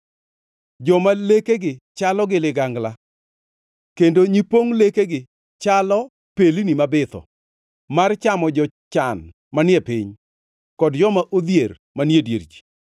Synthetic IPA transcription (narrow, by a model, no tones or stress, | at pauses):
d͡ʒɔmalekeɡɪt͡ʃalɔɡɪlɪɡaŋɡla | kendoɲipoŋlekeɡɪ | t͡ʃalɔ | pelinimabɪt̪ɔ̰ | mart͡ʃamɔd͡ʒɔ | t͡ʃan | manjepɪɲ | kɔdd͡ʒɔmaʔod̪jer | manedjḛɾd͡ʒi̥